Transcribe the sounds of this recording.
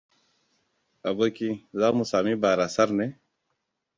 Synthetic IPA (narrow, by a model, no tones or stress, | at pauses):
ɐbɐkizaːmusaːmibaːɾasɐɾne